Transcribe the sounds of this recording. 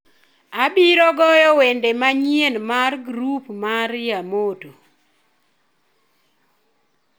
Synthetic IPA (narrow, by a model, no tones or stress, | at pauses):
abiɾɔɡɔjɔwendemaɲienmarɡɾupmarjamoto